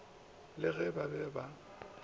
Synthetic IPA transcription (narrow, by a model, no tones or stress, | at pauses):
lɪɣɛbabɛba